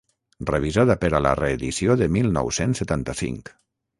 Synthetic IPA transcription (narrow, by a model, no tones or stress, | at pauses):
rəβ̞izaðəpəɾələ̰reːðisioðəmilˠnɔ̰wsensːət̪ant̪əsḭŋk